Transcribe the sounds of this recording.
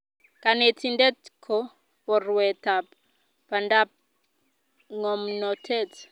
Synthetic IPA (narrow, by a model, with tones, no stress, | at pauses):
ka˨ne˨tʰi˦ndɛ˦tkʰɔ˦ | pɔ˨rwɛ˨ta˨p | pa˨nda˦p̚ | ŋɔ˨mnɔ˨tʰɛ˦t